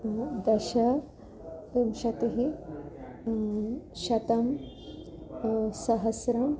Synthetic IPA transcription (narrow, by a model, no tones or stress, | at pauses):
d̪ɐʃɐ | t̪umʃɐt̪eɦe | ʃɐt̪ɐm | sɐɦɐsɾɐm